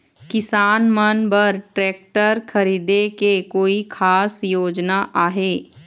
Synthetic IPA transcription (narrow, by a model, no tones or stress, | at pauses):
kɪsaːnmənbəɾʈɾɛːk̚ʈəɾkʰəɾiːd̪ekekoːikʰaːsjoːd͡ʒnaʔaːɦeː